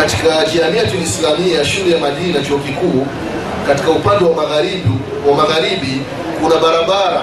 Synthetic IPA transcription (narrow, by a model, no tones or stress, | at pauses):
atikaʄianiatulisilamiaʃulɛjamaʄinat͡ʃɔɔkikuː | kati̥kaupandɛwaaɣai | wamaɣaɾiɓi | kunaɓaɾaɓaɾa